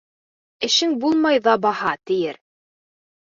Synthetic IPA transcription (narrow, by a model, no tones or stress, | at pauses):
ɘ̆ʃɘŋbulˠmɑjðɑbɑhɑt̪ɘ̆jɘɾ